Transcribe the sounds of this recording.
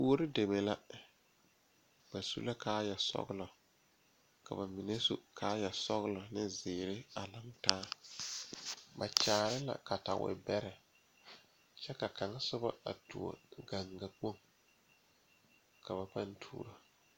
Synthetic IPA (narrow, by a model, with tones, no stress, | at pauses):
pu˦o˦ɾɪ˦de˨me˨la˦ | b̥a˨sṵ˦la˦kaː˦jɛ˨sɔ̰˦ɣlɔ˨ | ka̰˨ba˨mi˨ne˦sṵ˦kʰaː˦jɛ˨sɔ˦ɣlɔ˨nɪ˦zɪː˨ɾɪ˦a˨la˨ŋtaː˦ | ba̰˨t͡ʃaː˨ɾɪ˦la̰˨ka˨ta̰˨wɪ̰˨bɛ˦ɾɛ˨ | t͡ʃɛ˦ka˨ka˨ŋa˦sʊ˦ba̰˦a̰˨tu˨o̰˨ɡa˨ŋɡa˨k͡po˦ŋ | ka˨βa˨pa˦ntʰṵː˦ɾo˨